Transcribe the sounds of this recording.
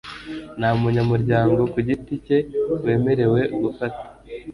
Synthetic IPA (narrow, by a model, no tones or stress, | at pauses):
namuɲamuɾɟaːŋɡo̞kuɟitice̞we̞ːme̞ɾe̞we̞ɡufate̥